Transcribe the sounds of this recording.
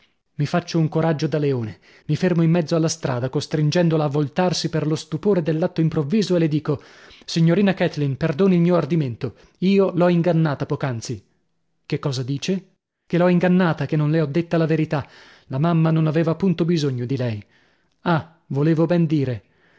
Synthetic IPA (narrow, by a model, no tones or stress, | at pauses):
mifat͡ʃːouŋkoɾad͡ʒːod̪aleoːne | mifermoimːɛd̪zːoalːast̪ɾʔa̰ːd̪akost̪ɾind͡ʒɛnd̪olaːvːolt̪arsiperlost̪upoːɾed̪elːat̪ːoimpɾovːiːzoelːed̪iːko | siɲːoɾiːnakɛt̪linperd̪oːnilmiːoard̪iment̪o | iːolɔiŋɡanːaːt̪apɔːkant̪si | kekːɔːzad̪iːt͡ʃe | kelɔiŋɡanːaːt̪akenːonleɔd̪ːet̪ːalaveɾit̪a | lamamːanonaveːvapunt̪obizoɲːod̪ilɛj | a | voleːvobɛnd̪iːɾe